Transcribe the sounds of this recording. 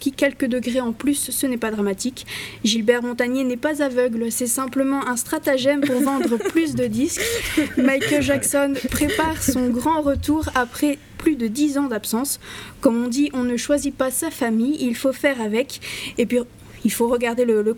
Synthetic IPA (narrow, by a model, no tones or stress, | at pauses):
kʲikʲɛlkəd̪əɡʁeɑ̃plysːənɛpad̪ʁamat̪ikʒilbɛʁmɔ̃t̪aɲenɛpazavœɡlsɛsɛ̃pləmɑ̃ʔɛ̃st̪χat̪aʒɛmpuʁvɑ̃d̪ʁəplys̬d̪əd̪iskmajkəlʒaksɔnpχepaʁsɔ̃ɡʁɑ̃ʁət̪uʁapχɛ | plyd̪əd̪izɑ̃d̪apsɑ̃skɔmɔ̃d̪iʔɔ̃nəʃwazipasafamijilfofɛʁavɛkepɥi | ilfoʁəɡaʁd̪elələ